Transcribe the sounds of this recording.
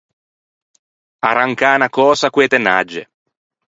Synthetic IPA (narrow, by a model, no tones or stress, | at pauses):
aɾaŋkaːnakɔːsakweːt̪enad͡ʒːḛ